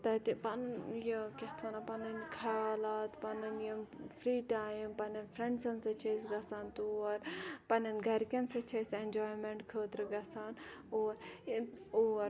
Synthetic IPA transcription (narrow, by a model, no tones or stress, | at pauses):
t̪ɐt̪ipɐnjɐkʲeht̪ʰʋɐnapɐnɐnʲkʰaaːlaːt̪pɐnɐnjɐmfɾiːʈaːmpɐnɐnfʰɾẽɳɖsɐnsɐt͡ʃʰɐsɡɐsaːnt̪uɐɾpɐnʲɐnɡɐɾkʲɐnsɐt͡ʃʰɐsenʲd͡ʒaːjmeɳʈkʰəːt̪ɾɨɡɐsaːnoːɾ | oɐɾ